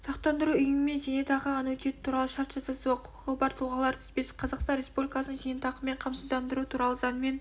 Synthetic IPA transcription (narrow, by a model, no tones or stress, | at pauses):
sɑqt̪ɑnd̪əɾuʏjɪnɪme̞nʒænet̪ʰɑʁəɑnɵt̪et̪ɪt̪ʰuɾɑlˠəʃɑɾt̪ʒɑsɑsuəqʰʊ̥qʰə̥ʁəbɑɾt̪ʰʊlˠʁəlˠɑɾt̪ʰʏ̥z̥pesɪ̥qʰɑzɑqst̪ɑnɾʲe̞spublʲikasənəʒanet̪ʰɑqəme̞ɴqʰɑmsəzd̪ɑnd̪əɾut̪ʰuɾɑlˠəzɑnme̞n